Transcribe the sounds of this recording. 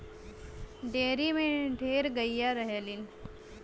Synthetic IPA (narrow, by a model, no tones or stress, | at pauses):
ɖeɾimeʈeɾɡəjːaɾəɦeliːn